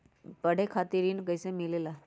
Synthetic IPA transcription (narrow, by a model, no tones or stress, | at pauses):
pəɽ̤ekʰat̪iɾinkəjsẽmilela